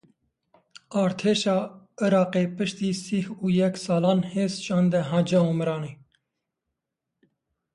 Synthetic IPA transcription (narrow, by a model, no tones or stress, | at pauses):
ɑːɾt̪ʰeːʃɑː | ɨɾɑːqeːpɨʃt̪iːsiːhuːjɛksɑːlɑːnheːzʃɑːnd̪ɛɦad͡ʒɛuːmɨɾɑːneː